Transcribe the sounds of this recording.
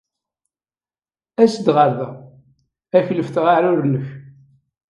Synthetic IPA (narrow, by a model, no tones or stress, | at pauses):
æsəd̪ʁəɾðæ | æçləfθəʁaʕɾʊɾnəç